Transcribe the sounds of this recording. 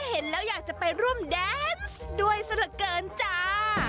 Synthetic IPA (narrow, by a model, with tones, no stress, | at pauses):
he˩˦nlɛː˦˥wjaː˨˩k̚t͡ɕa˨˩pa˧jɾu˥˩əmdɛː˦˥nsdu˧əjsa˧nɯ˨˩kːɤː˧nt͡ɕaː˧˩